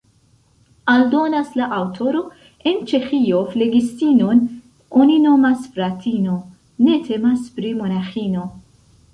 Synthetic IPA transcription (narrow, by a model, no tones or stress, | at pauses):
ɐld̪ɔːnɐslɐʔɐwt̪ʰoɾo | ent͡ʃexiːjofleɡist̪iːnon | ɔninomasfɾat̪ʰiːno | net̪ʰɛmaspɾimɔnaxiːno